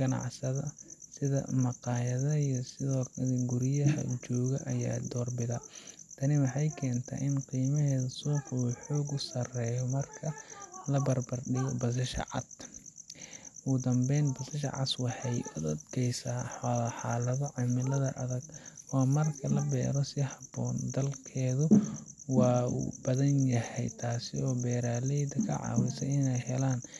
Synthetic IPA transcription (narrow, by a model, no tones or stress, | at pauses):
ɡɐnɑ̰ʕsɐðɐsɪðɐ̰mɑqɑːjɐðɐijɔsɪðɔːkʰɐðɐɡʊɾɪjɐɦɐ̰t͡ʃɔːɣɐʔɐja̰ːd̪ɔːrbɪðɐt̪ʰɐnɪwɑħɑjkʰɛːnt̪ʰa̰ːʔɪnqiːmɐɦɛːðɐsuːquːħɔːɡʊsɐrɛːjɔmɐrkʰɐlɐbɐrbɐrɗɪɣɔbɐs̬ɐʃɐ̰ʕɑ̰d̪ | uːd̪ɐmbɛjnbɐsɐʃɐ̰ʕɑ̰swɑħɛjʊd̪ɐd̪kʰɛjsaːħɔlɐħɑːlɐðɔʕɪmɪlɐðɐ̰ʔɐðɐɡɔːmɐrkʰɐlɐbɛ̰ːɾɔsɪhɐbɔːnd̪ɐlkʰɛːðʊwɑːṵːb̥ɐðɐnjɐhɛ̰jt̪ʰaːsɪ̰ɔːbɛːɾaːlɛjd̪ɐkʰɐ̰ʕɑ̰ːwɪsɐjɪnɛjhɛlaːn